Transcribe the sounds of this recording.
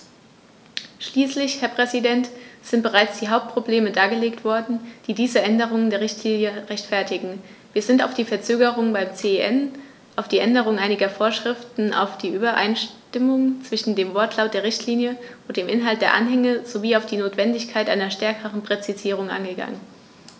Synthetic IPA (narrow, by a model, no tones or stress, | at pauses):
ʃliːslɪçhɛɐpʁ̥ɛzidɛntz̥ɪnt̚b̥əʁaɪt͡sd̥iːɦaʊp̚t̚pʁ̥obleːmədaːɡəleːktv̥ɔɐdn̩d̥iːdiːzəʔɛndəʁ̞ʊŋəndeːɐʁɪçtʰliːnjəʁɛçtfɛɐtɪɡŋ̩viːɐzɪntaʊfd̥iːfɛɐt͡søːɡəʁʊŋbaɪmt͡seʔɛn | ʔaʊfd̥iːʔɛndəʁ̞ʊŋʔaɪnɪɡɐfoːɐʃʁ̥ɪftn̩ʔa̰ʊfd̥iːʔyːbɐʔa̰ɪnʃtɪmʊŋt͡sv̥ɪʃn̩deːmvɔɐtʰlaʊt̚d̥eːɐʁɪçtʰliːnjəʔʊntd̥eːmʔɪnɦalt̚d̥eːɐʔanɦɛŋəz̥oviːaʊfd̥iːnoːtv̥ɛndɪçkʰaɪtʔa̰ɪnɐʃtɛɐkʰəʁənpʁ̥ɛt͡siziːʁ̞ʊŋʔa̰nɡəɡa̰ŋən